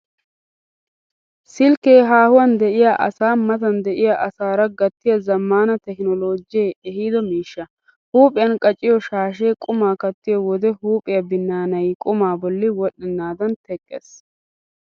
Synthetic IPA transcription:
sɪlkeːɦaːhʊwɐnd̪ɛʔɪjaʔɐ̰saːmɐt̪ɐnd̪ɛʔɪjaʔɐsaːɾɐɡɐt̪ːɪjɐzɐmːaːnɐt̪ɛknɔlo̞ːd͡ʒɪjeɛhiːd̪ɔmiːʃːɐ | huːpʼɪjɐnkʼɐt͡ʃʼːɪjɔʃaːʃ̬e̞ːkʼʊmaːkɐt̪ːɪjɔwɔd̪ɛhuːpʼɪjɐbɪnːaːnɐjkʼʊmaːbɔlːɪwɔɗːɪnːaːd̪ɐnt̪ɛkʼːḛs

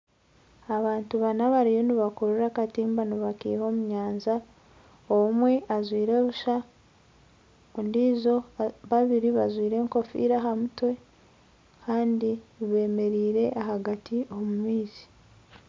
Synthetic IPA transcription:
aβaːntuβanaβaɾijo̞niβakoɾuɾakatiːmbaniβakḭːho̞muɲaːnza | omwe̞ʔazwiːɾeβuʃa | undiːzo̞βaβiɾiβazwiːɾe̞ːŋko̞fḭːɾaɦamutwe̞ | kʰaːndiβe̞ːme̞ɾiːɾe̞ʔaɦaɡatio̞mumiːz̥i̥

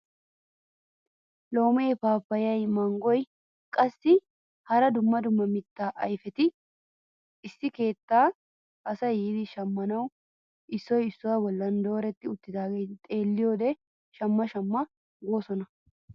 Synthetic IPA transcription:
lo̞ːmeːpaːpːɐjɐjmɐŋɡɔj | kʼɐsːɪ | hɐɾɐd̪ʊmːɐd̪ʊmːɐmɪt̪ːaːʔɐjfɛt̪ɪ | ɪsːɪke̞ːt̪ːaː | ʔɐsɐjiːd̪ɪʃɐmːɐnɐw | ʔɪsːɔjɪsːʊwaːbɔlːɐnd̪o̞ːɾɛt̪ːɪʊt̪ːɪd̪aːɡeːt̪ʼe̞ːlːɪjo̞ːd̪ɛ | ʃɐmːɐʃɐmːɐ | ɡo̞ːsɔnɐ

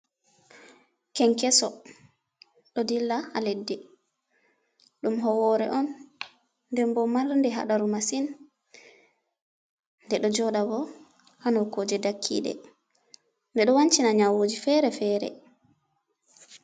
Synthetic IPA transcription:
kɛŋkɛsɔ | ɗɔdilːaaledːɛ | ɗumɦɔwɔɾɛ̰ʔɔnː | dɛmbɔmaɾndɛɦa̰ɗaɾumasin | ndɛɗɔd͡ʒɔɗabɔ | hanɔkoːd͡ʒɛdakʰːḭːɗɛ̰ | ndɛɗɔwaɲt͡ʃinaɲawoːd͡ʒifɛɾɛfɛːɾɛ̰

